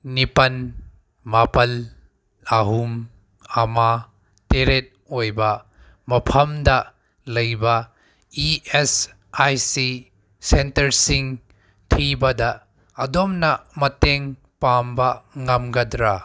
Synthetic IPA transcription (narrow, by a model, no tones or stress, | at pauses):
nipɐn | mapɐl | aɦum | ɐma | teɾet̚ojbɐ | mɐpʰɐmdɐ | lɐjbɐ | ies | ajsi | sentɐɾsiŋ | tʰibɐdɐː | domnɐmɐteŋ | pambɐŋɐmɡɐdɾa